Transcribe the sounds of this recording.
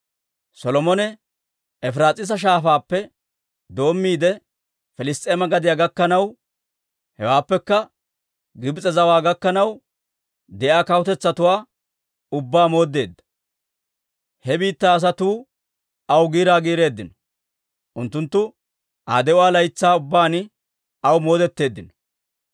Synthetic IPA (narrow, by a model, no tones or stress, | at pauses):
sɔlɔmɔnɛ | ɛfɪɾaːt͡sʼɪs̬ɐʃ̬aːfaːpːɛ | d̪o̞ːmːiːd̪ɛ | fɪlɪst̪ʼeːmɐɡɐd̪ɪjaɡɐkːɐnɐw | hɛwaːpːɛkːɐ | ɡɪbt͡sʼɛzɐwaːɡɐkːɐnɐw | d̪ɛʔaːkɐwʊt̪ɛt͡sːɐt̪ʊwaː | ʊbːaːmo̞ːd̪ːe̞ːd̪ːɐ̥ | hɛbiːt̪ːaːɐs̬ɐt̪uː | ɐwɡiːɾaːɡiːɾe̞ːd̪ːɪnɔ̥ | ʔʊnt̪ːʊnt̪ːʊ | ʔaːd̪ɛʊwaːlɐjt͡sːaːʊbːaːn | ɐwmo̞ːd̪ɛt̪ːe̞ːd̪ːɪnɔ̥